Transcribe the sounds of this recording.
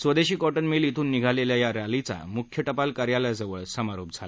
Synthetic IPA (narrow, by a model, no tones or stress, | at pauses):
sʋəd̪eɕiːkɔʈənmelit̪ʰuːnːiɡʱaleljajaɾjalit͡sa̰mukʰjəʈəpalkaɾjalajd͡zəʋəɭsəmaɾop̚d͡zʱala